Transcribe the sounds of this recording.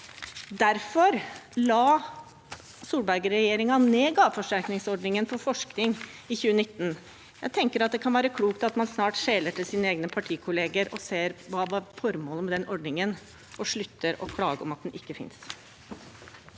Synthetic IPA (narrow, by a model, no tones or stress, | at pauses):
d̪æɾfɔɾlɑː | suːbæɾɡəɾɛjeːɾɪŋɑneːɡɑːʋfɔʂʈæɾknɪŋsɔɖnɪŋənfɔfɔʂknɪŋ | ɪçʉːənɪt̪ːn̩ | jæɪt̪ʰɛŋkəɾɑt̪̚d̪ɛkʰɑnʋæːɾəkʰɽuːkt̪ɑt̪mɑnsnɑːʈʂeːləʈɪlsiːnəeːɡnəpʰɑʈʰiːkʰʊleːɡəɾɔseːɾʋɑːʋɑɾfɔɾmoːləmɛd̪ɛnʔɔɖnɪŋən | ʔɔʂɭʉt̪ːəɾɔkʰlɑːɡəɔmɑt̪d̪ɛnʔɪkːəfɪ̰ns